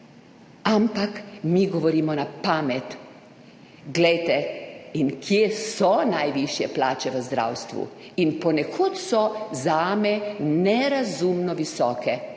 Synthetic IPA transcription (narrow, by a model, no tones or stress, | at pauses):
ampakmiːɡɔʋɔɾiːmɔnapaːmɛt̪ | ɡlɛjt̪ɛinkʰjesɔnajʋiʃjɛplaːt͡ʃɛʋəzd̪ɾa̰wst̪ʋṵinpɔnɛkʰot̪sɔzaːmɛnɛɾazumnɔʋisɔːkʰɛ